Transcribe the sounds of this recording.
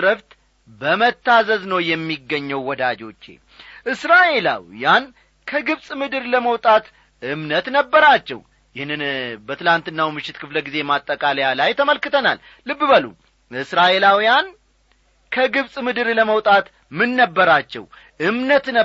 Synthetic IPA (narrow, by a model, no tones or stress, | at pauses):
ɾəft̪ | bəmət̪ːazəznəwjɛmːiɡːəɲːəwwɔd̪ad͡ʒo̞t͡ʃːḛ | ʔɨsɾaʔe̞la̰wjan | kʰəɡɨβsʼmɨd̪ɨɾləməwt̪ʼat̪ | ʔɨmnət̪nəbːəɾat͡ʃːɛ̰w | jɪhnɨnbət̪ʰɨlant̪ɨnːawmɨʃːɪt̪kʰɨfləɡize̞mat̪ʼːəkʼaljalajt̪ʰəməlkɨt̪ʰəna̰lːɨbːɨbəlṵ | ɨsɾaʔe̞lawijan | kʰəɡɨβsʼmɨd̪ɨɾləməwt̪ʼat̪ | mɨnːəbːəɾat͡ʃːɛ̰w | ʔɨmnət̪nə